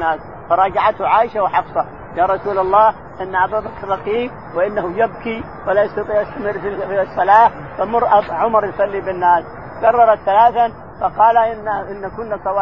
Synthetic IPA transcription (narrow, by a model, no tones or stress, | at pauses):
aːs | fɑɾˤɑːd͡ʒaʕat̪hʊʕaːʔɪʃawħɑfsˤɑ | jaːɾˤɑsuːlɑlˤːɑːh | ʔɪnːaʔɑb̪ˤɑd̪ˤɑkrˤːɑqiːm | wɪʔɪnːahujɪb̚ki | walaːjɑsˤt̪ɑt̪ˤiːʕʔast̪amɪrːfisˤːɑlaː | famʊrʔʕʊmɑɾˤjsˤɑlːibɪnːaːs | kɑrˤːɑɾˤɑt̪θalaːθa | fɑqɑːlaʔɪnːakʊnːasˤɑw